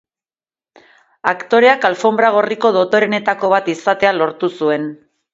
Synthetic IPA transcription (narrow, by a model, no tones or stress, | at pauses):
akt̪o̞ɾe̞akalfo̞mbɾaɣ̞o̞riko̞ðo̞t̪o̞ɾe̞ne̞t̪ako̞β̞at̪isat̪e̞alo̞ɾt̪usue̞n